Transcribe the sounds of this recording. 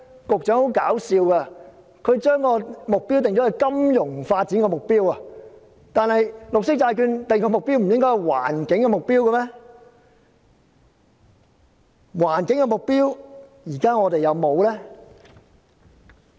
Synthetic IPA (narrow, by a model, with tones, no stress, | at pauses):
kʊ˨k̚t͡ʃœː˨˥ŋho˨˥wka̰ː˨˥wsiː˧wka˧ | kʰɵ˨˧ɥt͡ʃœː˥ŋkɔː˧mʊ˨k̚pi˥wt̪ɪ˨ŋt͡ʃɔ˨˥ɐ˨jkɐ˥mjʊ˨˩ŋfaː˧t̚t͡siː˨˥nŋkɔː˧mʊ˨k̚piː˥wɐ˨ | t̪aː˨˧nhɐ˨jlʊ˨k̚sɪ˥k̚t͡saː˧jkyː˧nt̪ji˨kːɔː˧mʊ˨k̚piː˥wm̩˨˩jɪ˥ŋkɔ˥jhɐ˨jwa̰ː˨˩nkɪ˨˥ŋkɛː˧mʊ˨k̚piː˥wkɐ˧mɛː˥ | waː˨˩nkɪ˨˥ŋkɛ˧mʊ˨k̚piː˥wjiː˨˩kaː˥ŋɔː˨˧t̪e˨jɐ˨˧wmo˨˧wlɛː˥